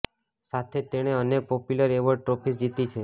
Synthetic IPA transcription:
sat̪ʰet̪eɽ̃eənek̚pɔpjuləɾeʋəʈɾopʰisd͡ʒit̪it͡ʃʰe

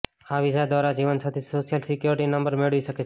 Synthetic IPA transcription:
haːʋisad̪ʋaːɾad͡ʒiːʋənsaːt̪ʰiːsoːʃjəlsɪkjoɾʈinə̃mbəɾmeɽʋiʃəket͡ʃʰː

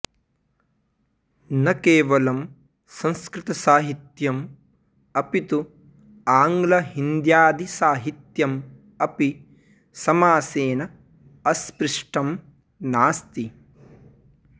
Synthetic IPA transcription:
nɐkeːʋɐlɐm | sɐ̃ŋskɾɪt̪ɐsaːɦit̪jɐm | ɐpit̪u | aːŋɡlɐɦind̪jaːd̪isaːɦit̪jɐm | ɐpi | sɐmaːseːnɐ | ɐspɾiʂʈɐm | naːst̪i

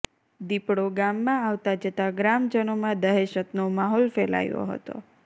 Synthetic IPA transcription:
d̪ipɽoɡamːãaʋt̪ad͡ʒət̪aɡɾamd͡ʒənomãd̪əɦeʃət̪nomaɦɔlfɛla̰jo̰ɦə̰t̪o̰

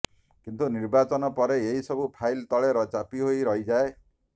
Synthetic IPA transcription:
kint̪uniɾbat͡ʃɔnɔpɔɾeeɦisɔbupʰajlt̪ɔɭeɾɔt͡ʃapiɦoiɾʌɦid͡ʒae

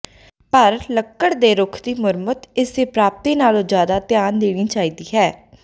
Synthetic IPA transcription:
pəɾləkːəɽd̪eːɾʊkʰd̪iːmʊɾmət̪ɪseːpɾaːp̚t̪eːnaːlõːd͡ʒjaːd̪aːt̪jaːnd̪eːɽ̃iːt͡ʃaːiːd̪iːɦɛː

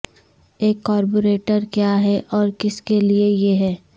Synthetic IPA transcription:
eːkːɔːɾp̬oɾeːʈəɾkjaɦɛʔɔːɾkɪskeliejeɦɛː

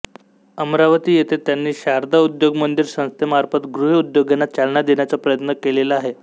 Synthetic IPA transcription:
əmɾaʋət̪iːjet̪ʰet̪janːiːɕaɾd̪aud̪joɡmənd̪iɾsə̃w̃st̪jəmaɾfət̪ɡɾuɦiud̪joɡenat̪̚t͡ɕalnad̪eɳjat͡sapɾəjət̪nəkelelaaɦe

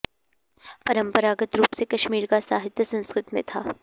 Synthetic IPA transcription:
pɐɾə̃mpəɾaːɡət̪ɾuːpsekɐʃmiːɾkasaːɦɪt̪jəsɐ̃nskɾɪt̪mḛ̃t̪ʰa̰ː

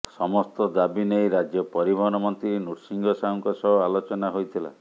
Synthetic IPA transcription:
sɔmɔst̪ɔd̪abinejɾad͡ʒjɔpɔɾibʱɔɦɔnɔmɔnt̪ɾinuʈsiŋɡɔsauŋkɔsɔbɔalot͡ʃɔnaɦojt̪ʰila̰

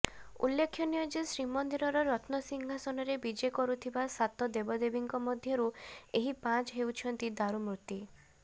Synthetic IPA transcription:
ṵlːekʰːjɔnijɔd͡ʒesɾimɔnd̪iɾɔɾɔɾɔt̪nɔsiŋɦasɔnɔɾebid͡ʒekɔɾut̪ʰibasat̪ɔd̪ebɔd̪ebiŋkɔmɔd̪ʱjɔɾueɦipãt͡ʃɦewt͡ʃʰɔnt̪id̪aɾumɾut̪i

